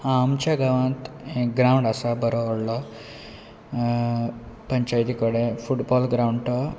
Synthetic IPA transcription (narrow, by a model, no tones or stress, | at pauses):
amt͡ɕaɡəʋãnt̪ | ɡɾauɳɖasabəɾoːɽlɔ | pəɲt͡ɕajt̪ikəɽefuʈbɔlɡɾawuɳɖʈɔ